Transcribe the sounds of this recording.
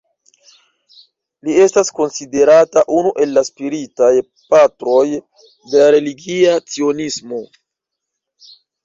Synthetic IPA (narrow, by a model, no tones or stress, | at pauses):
lie̞stasko̞nside̞ɾataʔunuʔe̞lːaspiɾitaj | patɾo̞j | de̞laɾe̞liɡiat͡sio̞nismo̞